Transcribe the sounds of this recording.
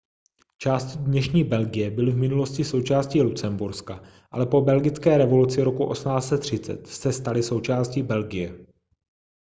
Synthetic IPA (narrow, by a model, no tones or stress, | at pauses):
t͡ʃaːscɪdnɛʃɲiːbɛlɡɪjɛbɪlɪvmɪnulo̞scɪso̞wt͡ʃaːsciːlut͡sɛmbuɾska | ʔalɛpo̞bɛlɡɪt͡skɛːɾɛvo̞lut͡sɪɾo̞kuʔo̞̰smnaːt͡sɛt̪ːr̝̥ɪt͡sɛ̰t̪sɛst̪alɪso̞wt͡ʃaːsciːbɛlɡɪjɛ